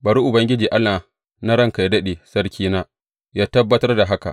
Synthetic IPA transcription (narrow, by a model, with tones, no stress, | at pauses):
bɐ˨ɾu˦ʔʊ˨bɐ˦ŋɡʲɪ˦d͡ʒiː˨ʔa˦lːaː˨ | na˦ɾɐ˦ŋka˨jdɐ˦ɗe˨sɐ˦rkʲiː˦naː˦ | jaː˦tɐ˦bːɐ˦tɐ˦rda˨ɦa˦ka̰˨